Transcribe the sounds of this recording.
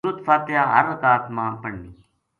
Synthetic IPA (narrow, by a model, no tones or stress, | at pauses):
ɾət̪faːt̪ɪjãːɦəɾət̪aːt̪mãːpəɳːiː